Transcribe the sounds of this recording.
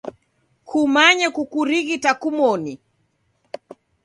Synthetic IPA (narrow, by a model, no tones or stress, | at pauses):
kʰumaɲɛkukuɾiɣitakumɔni